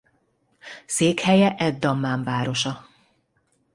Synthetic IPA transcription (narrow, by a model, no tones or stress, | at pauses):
seːkhɛjɛʔɛd̪ːɒmːaːɱvaːɾo̞ʃɒ